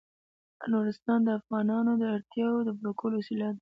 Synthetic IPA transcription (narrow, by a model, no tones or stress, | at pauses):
noɾɪst̪ɑnd̪əafɣɑnɑnod̪əaɽt̪jɑwod̪əbɽokʰəlosilɑd̪